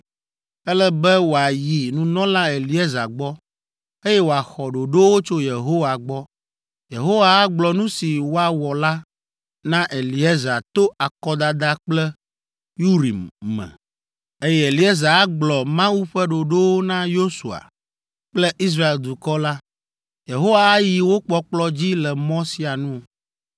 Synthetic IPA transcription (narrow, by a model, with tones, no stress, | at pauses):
ɛ˦lɛ˦bɛ˦wo˨a˨ji˨nũ˦nɔ̃˦lã˦e˨li˨e˦za̰˨ɡ͡bɔ˦ | e˦jɛ˦wo˨a˨xɔ˨ɖo˨ɖo˦wo˦t͡ʃo˦je˨ɦo˦wa˨ɡ͡bɔ˦ | je˨ɦo˦wa˨a˦ɡ͡blɔ˨nũ˦si˨wo˦a˨wɔ˨la˦ | nã˦ʔe˨li˨ɛ˦za˨t̪o˦a˨kɔ˦d̪a˦d̪a˦k͡plɛ˦ | ju˦ɾḭ˨mːɛ̰̃˨ | e˦jɛ˦˨e˨li˨˦e˦za˨˦ɡ͡blɔ˨mã˦wu˦ɸɛ˦ɖo˨ɖo˦wo˦nã˦jo˦su˨a̰˨ | k͡plɛ˦ʔi˦s̬ɾa˦e˨ld̪u˨kɔ˦la˦ | je˨ɦo˦waː˨˦ji˨wo˦k͡pɔ˦k͡plɔ˦d͡ʑi˦lɛ˨mɔ̃˦si˦a˨nũ˦˨